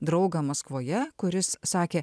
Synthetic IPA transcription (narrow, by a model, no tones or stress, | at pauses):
d̪ɾɒʊɡɐmɐskʋoːjɛkʊɾʲɪsːɑːkʲeː